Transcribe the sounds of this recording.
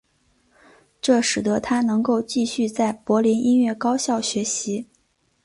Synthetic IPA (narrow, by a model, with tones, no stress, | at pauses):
ʈ͡ʂɤ˥˩ʂɻ̩˨˩d̪ə˧˥t̪ʰa˥nɤ˧˥ŋko˥˧ʊt͡ɕi˥˧ɕy˥˧t͡sa˥˩ɪpwɔ˧˥li˧˥nʔi˥nɥɛ˥˩kɑ˥ʊɕjɑ˥˩ʊɕɥɛ˧˥ɕi˧˥